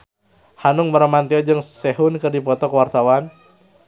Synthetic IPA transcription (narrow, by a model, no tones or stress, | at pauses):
hanʊŋməɾamant̪iɔd͡ʒɨŋsɛɦʊnkɨrdipɔt̪ɔkəwart̪awan